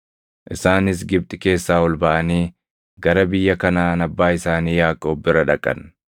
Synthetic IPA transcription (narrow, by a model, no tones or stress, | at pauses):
ʔɪsaːnɪs̬ɡɪb̚t̪ʼɪke̞ːsːaːwɔlbɐʔɐniː | ɡɐɾɐbɪjːɐkɐnaːnɐbːaːɪsaːniːjaːkʼːɐɔbːɪɾɐᶑɐkʼːɐ̰n